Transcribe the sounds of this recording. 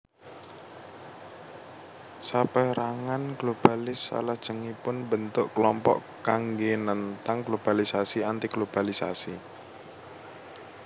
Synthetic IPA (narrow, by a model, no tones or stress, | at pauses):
sapəɾaŋanɡ̥lob̥alɪsːa̰lahd̥ʒ̥əŋipʊnbənt̪ʊʔkəlɔmpɔ̰ʔ | kaŋɡenənt̪aŋɡlob̥alisasiant̪iɡ̥lob̥alisa̰si